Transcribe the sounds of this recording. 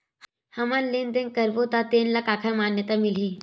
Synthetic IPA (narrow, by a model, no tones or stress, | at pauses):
hɐmanlend̪ẽŋ̚kɐɾbot̪at̪eːnlɐkaːkʰəmaːnjət̪amɪlĩ